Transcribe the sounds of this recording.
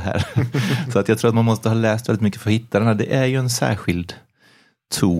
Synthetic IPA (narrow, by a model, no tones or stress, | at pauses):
ɦæ̰ːɾsɔat̪jɑɡt̪ʰɾuːɾt̪manmɔst̪əhɑːlɛːst̪vɛlɪt̪mʏkːəfœɾhɪt̪ʰːaɾɛnæɖ̪ɛʔæɾjɵɛnsæ̰ːɧɪld̪ʰ | uː